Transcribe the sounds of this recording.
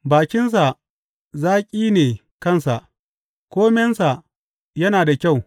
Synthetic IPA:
baː˨kʲɪ˦ns̬a˨ | zaː˦kʲʼiː˦neː˨ | kɐ˦˨nsa˨ʔ | kʷoː˦mɛ˦nsa˨ʔ | jɐ˦naː˨da˨kʲa˦˨w

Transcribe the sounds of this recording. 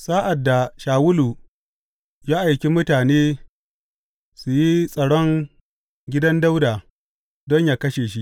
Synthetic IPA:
saː˦ʔa˨dːa˨ʃaː˨wʊ˦luː˨ | jaː˦ʔa˨jkʲi˦mʊ˦taː˨neː˦ | su˨ji˦sʼɐ˨ɽɔ˦ŋ | ɡʲɪ˦dɐ˦nda˦wdaː˨ | dɔ˦ɲjaː˦kɐ˦ʃeː˨ʃ̬i˦ʔ

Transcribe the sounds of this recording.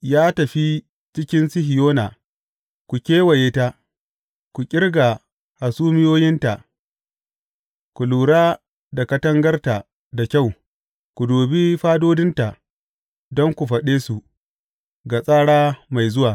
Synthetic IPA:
jaː˦tɐ˨ɸi˦ | t͡ʃɪ˦kʲɪ˦nsɪ˦ɦɪ˨joː˦na˨ | kʷu˨kʲeː˦wɐ˨jeː˦ta˦ | kʷu˨kʲʼɪ˦rɡa˨ | ha˨suː˦mɪ˦joː˦jɪ˦nta˨ʔ | kʷu˨luː˨ɽaː˦ | da˨kɐ˦tɐ˦ŋɡɐ˦rta˨ | da˨kʲa˦˨w | kʷu˨doː˨bi˦ɸaː˦doː˦dɪ˦nta˨ | dɔ˦ŋkʷu˨ɸɐ˨ɗeː˦su˨ | ɡa˨sʼaː˦ɽaː˦ma˨jzʊ˦waː˨

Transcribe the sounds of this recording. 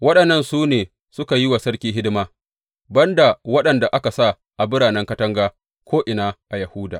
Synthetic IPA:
wɐ˦ɗɐ˨nːɐ˦nsuː˦neː˨ | sʊ˦ka˨ji˦wa˨sɐ˦ɽkʲiː˦ɦɪ˦dɪ˦maː˦ | bɐ˦nda˨wɐ˦ɗɐ˨nda˨ʔa˦ka˨sa˦˨ | ʔa˨bɪ˦ɽaː˨nɛ˦ŋkɐ˦tɐ˦ŋɡaː˦ | kʷʰoː˦ʔɪ˨naː˦ʔa˨jɐ˨huː˦daː˨

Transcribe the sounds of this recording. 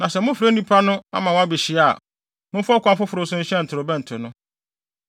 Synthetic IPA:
nã˨sɛ˨mʊ̃˦fɾe˦nĩ˦pʰa˦nʊ̃˦a̰˦mã˨w̃a˦bi˨ɕɪ˨a˨ | mʊ̃˦fʊ˦ɔ˦kʷã˦mfʊ˦fʊ˨ɾʊ˦sʊ̃˦ɲ̩˦ɕɛ˦n̩˨tʰɪ˨ɾʊ˨bɛ̃˦n̩˨tʰʊ˨nʊ̃˦

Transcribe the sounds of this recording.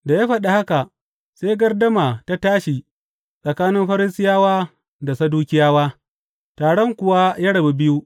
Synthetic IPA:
da˨jaː˦ɸɐ˨ɗa˨ha˦ka˨ | seː˦ɡɐ˦rdɐ˦maː˨ta˦taː˦ʃi˨ | sʼɐ˨kaː˦nɪ˦mɸɐ˦ɾɪ˦sɪ˦jaː˦waː˦ | da˨sɐ˦duː˦kʲɪ˦jaː˦waː˦ | taː˨ɽɔ˦ŋkʷʊ˨wa˦ja˦ɽɐ˨bi˨bɪ˦ju˦

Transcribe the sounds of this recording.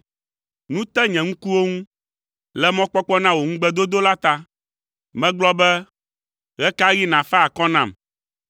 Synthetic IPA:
nũ˦t̪ɛ˦ɲɛ̃˨ŋũ˦ku˦wo˦ŋũ˦ | lɛ˦mɔ̃˦k͡pɔ˦k͡pɔ˦nã˦wo˨ŋũ˦ɡ͡bɛ˦d̪o˦d̪o˦la˦t̪a˦ | mɛ̃˦ɡ͡blɔ˦bɛ˦ | ɣɛ˦ka˦ɣi˦nã˨fɛ˦a˨kɔ˦nã˨m

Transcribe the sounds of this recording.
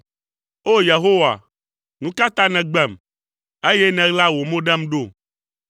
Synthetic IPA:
o˦je˨ɦo˦wa̰˨ | nũ˦ka˦t̪ã˦nɛ̃˨ɡ͡bɛ˦˨m | e˦jɛ˦nɛ̃˨ɣla˦wo˨mõ˦ɖɛ˦m˦ɖo˦˨

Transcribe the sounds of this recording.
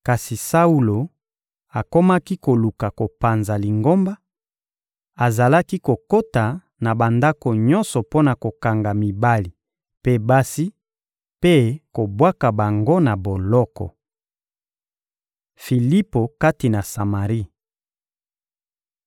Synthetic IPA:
ka˨si˨sa˦u˦lo˨ | a˨ko˦ma˦ki˦ko˨lu˨ka˨ko˨pa˨nza˨li˨ŋɡo˦mba˦ | a˨za˨la˦ki˦ko˨ko˦ta˨ | na˨ba˨nda˦ko˨ɲɔ˦nsɔ˨po˦na˨ko˨ka˨ŋɡa˨mi˨ba˦li˨ | pe˦ba˦si˦ | pe˦ko˨bwa˦ka˨ba˨ŋɡo˦na˨bo˨lɔ˦kɔ̰˨ | fi˨li˦po˨ka˦ti˨na˨sa˨ma˨ʁi˦

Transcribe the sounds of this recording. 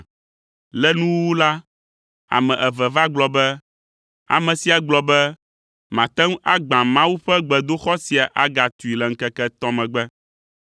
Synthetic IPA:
lɛ˦nũ˦wwu˦la˦ | a̰˨mɛ̃˨ʔɛ˨vɛ˨va˦ɡ͡blɔ˨bɛ˦ | a̰˨mɛ̃˨si˨a˨ɡ͡blɔ˨bɛ˦ | mã˨t̪ɛ˦ŋ˦ʔa˦ɡ͡bã˨mã˦wu˦ɸɛ˦ɡ͡bɛ˨d̪o˦xɔ˦si˨a˨ʔa˦ɡa˨t̪u˨i˨lɛ˨ŋ̩˦kɛ˦kɛ˦t̪ɔ̃˦mɛ̃˨ɡ͡bɛ˦

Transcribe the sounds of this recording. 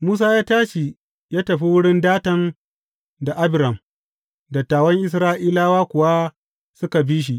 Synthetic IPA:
muː˦s̬aː˦jaː˦taː˦ʃi˨ | jaː˦tɐ˨ɸi˦wʊ˦ɽɪ˦ndaː˦tɐ˦n | da˨ʔa˦bɪ˨ɾɐ˨m | dɐ˨tːaː˨wɐ˦ŋʔɪ˦s̬ɾaː˦ʔiː˦laː˦waː˦kʷʊ˨wa˦ | sʊ˦ka˨biː˦ʃ̬i˦ʔ

